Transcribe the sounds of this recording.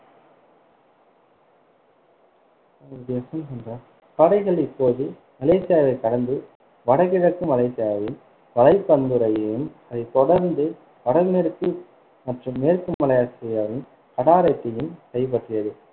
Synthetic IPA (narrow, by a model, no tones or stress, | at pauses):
ɐɾɐɽɪjɐsɐmsɛndrɐ | kɐɽɐɪɣɐɭɪpːoːðɯ | ɐleːsɪjaːʋɐɪkɐɽɐnd̪ɯ | ʋɐɽɐɣɪɽɐkːɯmɐlɐɪsɪjaːʋɪn | ʋɐlɐɪpːɐnd̪ɯɾɐjɐjɯmɐðɐɪt̪ɔɽɐɾnd̪ɯ | ʋɐɽɐɾneɾɯkːɯ | mɐʈrɯmːeːɾkɯmɐlɐjaːsɛjɐʋɪn | kɐɽaːɾɐt̪ːɪjɯmkɐɪp̬ɐʈrɯjɐðɯ